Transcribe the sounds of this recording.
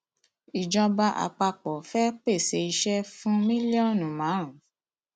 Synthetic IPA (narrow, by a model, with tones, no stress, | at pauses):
i˨d͡ʒɔ̃˧ba˧ʔa̰˨k͡pa˧k͡pɔ˨fɛ˦k͡pe˦˨se˧i˧ʃɛ˦fũ˦mĩ˦li˦ɔ˦nũ˨mã˨˦ɾ̃ũ˨˦